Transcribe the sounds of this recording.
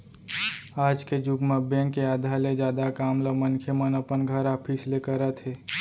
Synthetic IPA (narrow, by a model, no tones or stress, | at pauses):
aːd͡ʒked͡ʒʊɡmabɛ̃ːŋkːeaːd̪ʱaled͡ʒjaːd̪akaːmləmənkʰemənəpənɡʱəɾaːpʰislekəɾət̪ɦeː